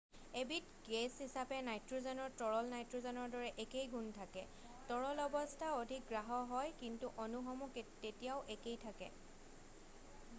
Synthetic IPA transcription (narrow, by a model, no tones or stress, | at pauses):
ebitɡeshisapɛnajtɹozɔnɔɹtɔɹɔlnajtɹozɔnɔɹdɔɹɛʔekejɡuntʰakɛ | tɔɹɔlɔbɔstʰaodʱik̚ɡɹaɦɔɦɔjkintuʔonuxɔmuktetijaʊʔekejtʰakɛ̰